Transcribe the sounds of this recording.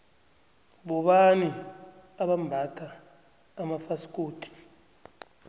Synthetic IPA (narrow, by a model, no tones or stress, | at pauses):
ɓɔɓaniaɓambʱatʰʼaː | mafasi̥kʼoːtʰʼi̥